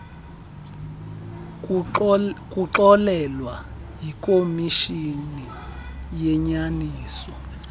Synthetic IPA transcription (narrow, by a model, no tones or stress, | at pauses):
k̬ʼuǁɔlɛlwa | jikʼomiʃini | jɛɲaniːsɔ